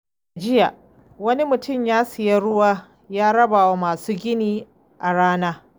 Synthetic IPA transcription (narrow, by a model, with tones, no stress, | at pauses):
a˨d͡ʒɪ˦ja˨ | wɐ˦ni˦mʊ˨tʊ˦˨mjaː˦sɪ˨ja˦ɽʊ˦waː˦ | jaː˦ɽɐ˦baː˨wa˨˦maː˨suː˦ɡʲɪ˦niː˦ | ʔa˨ɽaː˦naː˦